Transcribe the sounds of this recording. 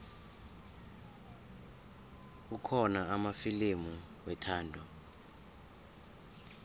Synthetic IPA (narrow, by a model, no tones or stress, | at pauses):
ukʰɔnaamafilemuwɛtʰaːndʱɔ